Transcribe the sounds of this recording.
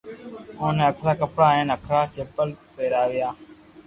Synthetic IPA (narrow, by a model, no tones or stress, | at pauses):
õːnẽːəkʰlaːkəpɽaːẽːnəkʰɾaːt͡ʃeːpəlpeːɾaːʋɪjaː